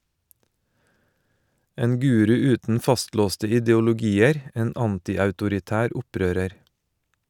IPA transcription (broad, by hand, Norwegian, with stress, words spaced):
ˈeːn ˈɡʉːɾʉ ˈʉːtn̩ ˈfɑstˌloːstə ɪdɛʊlʊˈɡiːəɾ ˈeːn ˈɑntɪɑʉtʊɾɪˌtæːɾ ˈʊˌpɾøːɾəɾ